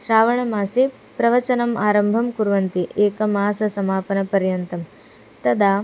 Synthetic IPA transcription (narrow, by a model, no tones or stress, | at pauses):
ʃɾaːʋɐɳɐmaːsi | pɾɐʋɐt͡ʃɐnɐmʔaːɾɐmbʱɐmkuɾʋɐnt̪iʔeːkɐmaːsɐsɐmaːpɐnɐpɐɾjɐnt̪ɐm | t̪ɐd̪ʱaː